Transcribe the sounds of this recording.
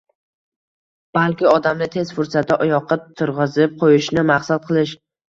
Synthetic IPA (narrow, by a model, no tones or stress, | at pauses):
b̥alkʲɪɒd̪amnɪt̪ʰe̞zfʊɾsat̪̚ʰdaʔɒjɒqʰɨt̪ʰːʊɾʁɨzɪp̚qʰojɪʃnɪmaχsat̪̚qʰɨlˠɪʃ